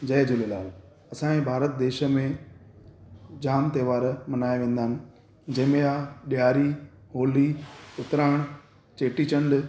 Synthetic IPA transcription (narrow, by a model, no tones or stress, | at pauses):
d͡ʑɐjd͡ʑʊlela̰ːɦũ | ɐsãːẽbʱaːɾət̪̚d̪eːʃə̆mẽ | d͡ʑaːmt̪eːʋaːɾmɐnaːeʋẽːn̆d̪aːɦɪnɪ̆ | d͡ʑɐɦɪ̃mẽaːɗjaːɾiɦoːliʊt̪ɾaːɽ̃ | t͡ɕeːʈit͡ɕə̃ɳɖ